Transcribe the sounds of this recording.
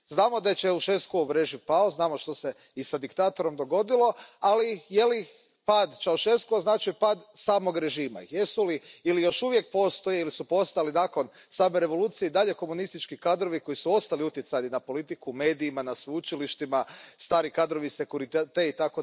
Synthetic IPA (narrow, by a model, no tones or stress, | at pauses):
znaːmo̞d̪aet͡ʃauʃeskouʋɾeʒipaoznaːmoʃt̪o̞se̞ | isad̪ikt̪aːt̪o̞ɾo̞md̪o̞ɡo̞d̪ilo̞alije̞li | paːd̪t͡ʃaluʃe̞skooznaːt͡ʃipaːd̪saːmo̞ɡɾe̞ʒiːma̰jesuliilijo̞ʃuʋje̞k̚po̞ːst̪o̞jeilisupo̞st̪alinaːko̞n | saːmeɾe̞ʋo̞lˠuːt̪sijeid̪aʎe̞ko̞munist̪it͡ʃkikaːd̪ɾo̞ʋiko̞jisuo̞st̪aliut̪jet̪sajninapo̞lit̪ikume̞ːd̪iːmanasʋuut͡ʃiliʃt̪imast̪aːɾikad̪ɾo̞ʋise̞kuɾit̪et̪eit̪ako